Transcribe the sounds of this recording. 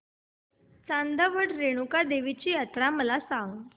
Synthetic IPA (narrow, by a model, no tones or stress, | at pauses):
t͡sand̪əʋəɽɾeɽ̃ukad̪eʋit͡ɕiːjat̪ɾaməlasãŋɡ